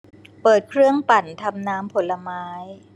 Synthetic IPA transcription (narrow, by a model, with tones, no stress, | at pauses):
pɤː˨˩t̪̚kʰɾɯ˥˩əŋpa˨˩nt̪ʰa˧mnaː˦˥mpʰo˨˩˦nlːa˧maː˦˥j